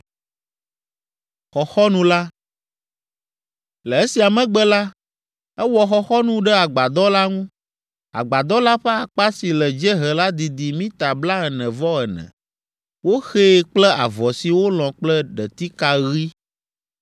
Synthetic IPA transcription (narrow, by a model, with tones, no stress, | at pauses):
xɔ˨xɔ˦nũ˦la˦ | lɛ˨e˦si˨a˨mɛ̃˨ɡ͡bɛ˦la˦ | ɛ˦wɔ˨xɔ˨xɔ˦nũ˦ɖɛ˦a˨ɡ͡ba˨d̪ɔ˦la˦ŋũ˦ | a̰˨ɡ͡ba˨d̪ɔ˦la˦ɸɛ˦a˨k͡pa˦si˨lɛ˨d͡ʒɛ˦ɦɛ˨la˦d̪i˨d̪i˨mĩ˦t̪a˨bla˦ɛ˨nɛ̃˨vɔ˦ɛ˨nɛ̰̃˨ | wo˦xe˦k͡plɛ˦a̰˨vɔ˨si˨wo˦lɔ̃˨k͡plɛ˦ɖɛ˨t̪i˦ka˨ɣi˦